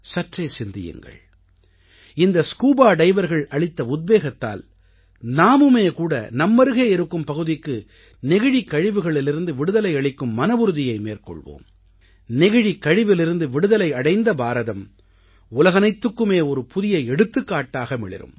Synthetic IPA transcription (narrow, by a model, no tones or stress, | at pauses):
sɐʈreːsɪnd̪ɪ̰jɯ̰ŋɡɐ̰ɭ | ɪnd̪ɐskuːbaːɖɐɪʋɐɾɣɐɭɐɭɪt̪ːɐʊd̪̚beːɣɐt̪ːa̰ːl | naːmɯmeːkuːɽɐ̰nɐmːɐɾɯɣeːɛɾɯkːɯmpɐɣɯðɪkːɯ | nɪɣɪɻikːɐɻɪʋɯɣɐɭɪlɪɾɯnd̪ɯʋɪɽɯðɐlɐɪɐɭɪkːɯmːɐnɐbɯɾɯðɪjɐɪmḛːɾkɔ̰ɭʋo̰ːm | nɪɣɪɻikːɐɻɪʋɪlɪɾɯnd̪ɯʋɪɽɯðɐlɐɪɐɽɐɪnd̪ɐbaːɾɐðɐm | ʊlɐɣɐnɐɪt̪ːɯkːɯmeːɔɾɯpʊðɪjɐɪɛɽɯt̪ːɯkːaːʈːaːɣɐmɪɭɪ̰ɾɯ̰m